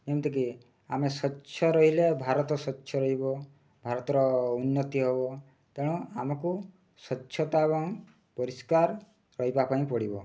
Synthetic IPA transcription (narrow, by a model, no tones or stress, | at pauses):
kemt̪ik̬i | a̰mesɔtːʃʰɔɾɔɦilebʱaɾɔt̪ɔsɔtːʃʰjɔɾɔɦibɔ | bʱaɾɔt̪ɔɾɔunːɔt̪iɦebɔ | t̪eɽ̃ɔ̃amɔku | sɔtːʃʰjɔt̪abɔŋ | pɔɾiskaɾ | ɾɔɦibapaĩpɔɽibɔ